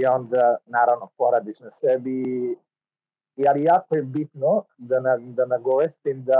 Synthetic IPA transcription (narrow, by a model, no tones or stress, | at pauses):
iɔnd̪anaɾavnopɔɾad̪iʃnɛsɛbi | ijalijakoɛbit̪nɔd̪anad̪anaɡɔʋɛst̪imd̪a